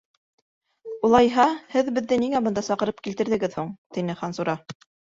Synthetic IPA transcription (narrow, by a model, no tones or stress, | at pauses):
ulˠɑjɦɑhɘðbɘ̆ðːɘniŋæbɤ̆nd̪ɑsɑqɤ̆ɾɤp̚kilt̪ɘ̆ɾðɘ̆ɡɘðhuɴt̪inɘχɑnsuɾɑ